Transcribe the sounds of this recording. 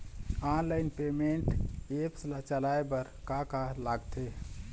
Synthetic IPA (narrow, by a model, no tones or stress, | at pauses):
anlajnpemeɳʈepslat͡ʃəlaebəɾkakalaɡt̪e